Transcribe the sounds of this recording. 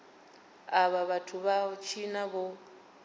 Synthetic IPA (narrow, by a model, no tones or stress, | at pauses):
aβaβatʰuβaɔt͡ʃʰinaβɔ